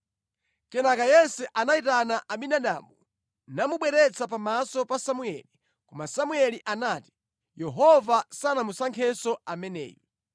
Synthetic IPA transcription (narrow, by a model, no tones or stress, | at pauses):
kɛnakajɛsɛʔanaitanaʔaɓinaɗa̰ːmu | namuɓwɛɾɛt͡sʰap̬amasɔpasamuɛli | kɔmasamuɛliʔanaːti̥ | jɛɦɔvasanamusaŋkʰɛsɔamɛnɛ̰ːjɔ